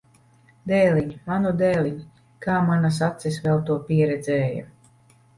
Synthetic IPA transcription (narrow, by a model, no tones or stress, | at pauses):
d̪ɛːlʲiɲimanud̪ɛːlʲiɲ | kaːmanas̬at̪sɛsvɛlˠt̪uɔpiɛɾɛd̪zɛːja̰